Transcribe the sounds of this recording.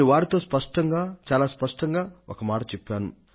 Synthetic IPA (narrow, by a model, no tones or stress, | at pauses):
iʋaːɾit̪o̞ːspɐʂʈɐŋɡaːt͡ʃaːlaːspɐʂʈɐŋɡaːɔkɐmaːʈɐt͡ʃɛpːaːnṵ